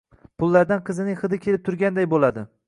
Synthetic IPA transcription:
pʰʊlˠːaɾd̪anqʰɨzɪnɪŋχɨd̪ɪkʲʰe̞lɪp̚t̪ʰʊɾɡʲand̪ajbolad̪ɪ

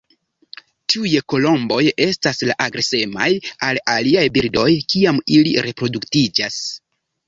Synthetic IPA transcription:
tiujko̞lo̞mbo̞je̞staslaʔaɡɾese̞ma̰jalaliajbiɾdo̞jkiamiliɾe̞pɾo̞duktid͡ʒas

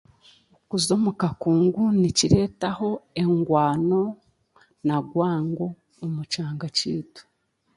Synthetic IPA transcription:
ukuzo̞mukakuːŋɡuniciɾe̞taho̞e̞ŋɡwaːno̞ | naɡwaːŋɡo̞ː | mut͡ʃaːŋɡaciːtu̥

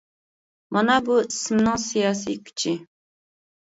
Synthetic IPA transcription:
mɑnɑbuisɪmnɪŋsijɑːs̬ḭkʲʰy̥t͡ʃʰi

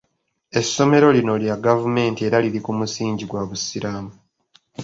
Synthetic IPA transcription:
e̞sːo̞me̞ɾo̞lino̞ljaɡavume̞ːntie̞ɾaliɾikumusiːɲɟiɡwaβusiɾaːmu

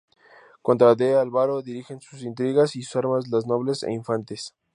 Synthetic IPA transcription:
kont̪ɾad̪ealβaɾoðiɾixe̞nsusint̪ɾiɣasisu̥saɾmazlazno̞βle̞sḛiɱfant̪es

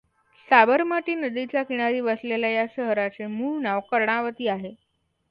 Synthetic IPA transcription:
sabəɾmaʈiːnəd̪it͡ɕjakiɽ̃aɾiːbəslelajaɕəɦɾat͡semuːɭnaʋkəɾɳaʋət̪iːaɦe

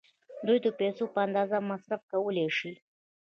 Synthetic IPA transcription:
d̪ujd̪əpesopəand̪ɑzamasɾafkawəleʃi

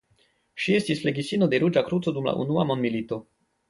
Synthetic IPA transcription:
ʃie̞stisfle̞ɡisinode̞ɾud͡ʒakɾutt͡so̞dumla̰ʔṵnuamond̪milit̪o̞

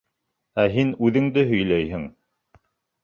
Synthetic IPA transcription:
æɦinʉðɘ̆ŋd̪ɘɦɵ̆jlæjɦɘŋ

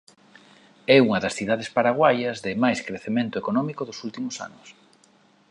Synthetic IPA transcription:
ɛuŋɐðɐsθiðaðespaɾaɣwajɐzðɪmajskɾeθemẽnt̪ʊekonɔmikoðʊsult̪imʊsa̰nʊs

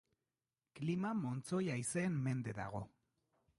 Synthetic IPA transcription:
klimamo̞nt͡so̞jajse̞ːmme̞nd̪e̞ða̰ɣ̞o̞

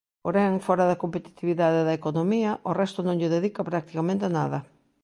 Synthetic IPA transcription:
poɾɛŋfɔɾɐðɐkompet̪i̥t̪iβiðaðeðɐekonõmiɐʔorɛst̪ʊnõŋʎɪðeðikɐpɾak̚t̪i̥kamẽnt̪ɪnaðɐ

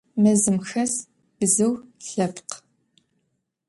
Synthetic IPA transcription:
mɐzɨmxɐs | b̥ɨzɨwɬɐpq

